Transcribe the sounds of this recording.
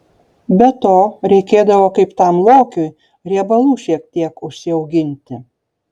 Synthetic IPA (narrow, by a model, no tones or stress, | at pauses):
bʲɛt̪oːɾʲɛɪkʲeːd̪ɐʋoːkɐɪpt̪ɐmlˠoːkʲʊj | ɾʲiɛbɐlˠuːʃʲiɛk̚t̪ʲiɛkʊʃʲsʲɪɐʊɡʲɪnʲt̪ʲɪ